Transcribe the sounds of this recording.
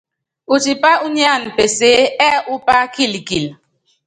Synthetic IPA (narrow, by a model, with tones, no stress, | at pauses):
u˨t͡ʃi˨pa˦ʔu˦ni˦a˦˨n̩˨pe˨se˦ɛ˦ʔʊ˦pa˦ki˦˨li˨ki˨l